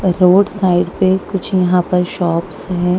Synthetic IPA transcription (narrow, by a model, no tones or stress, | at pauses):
ɾoːɖsaːɪɖpekʊt͡ʃʰjɐɦãpɐɾʃɔːpsɦɛ̃ː